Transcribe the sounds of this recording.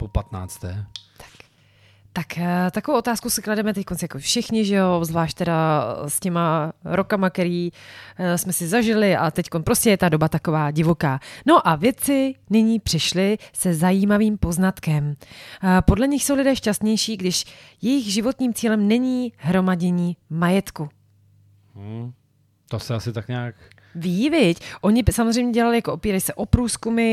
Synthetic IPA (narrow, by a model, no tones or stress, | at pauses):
popat̪na̰ːt͡st̪ɛːt̪ḁk | t̪akt̪akovowʔo̞t̪aːskosɪkladɛmɛt̪ɛc̚ko̞nsjakofʃɪxɲɪʒɛovzvlaːʃc̚t̪ɛdascɛmaɾo̞kamakɛɾiː | smɛsɪzaʒɪlɪʔat̪ɛcko̞npɾo̞scɛjɛt̪ado̞bat̪ako̞vaːɟɪvo̞kaːno̞ʔavjɛt͡sɪnɪɲiːpr̥ɪʃlɪsɛzajiːmaviːmpo̞znat̪kɛm | po̞dlɛɲɪxso̞wlɪdɛːʃcast̪ɲɛjʃiːɡdɪʃjɛjɪxʒɪvo̞t̪ɲiːmt͡siːlɛmnɛɲiːɦɾo̞maɟɛɲiːmajɛt̪ku | ɦ̩ | t̪osɛasɪt̪akɲaːk | viːvɪcʔo̞ɲɪsamozrejmɲɛɟɛlalɪjakoopiːɾajsɛʔo̞pɾuːskumɪ